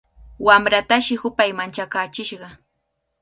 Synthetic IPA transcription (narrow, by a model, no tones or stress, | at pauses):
wamɾat̪aʃɪhʊpajmant͡ʃakaːt͡ʃɪʃɢɑ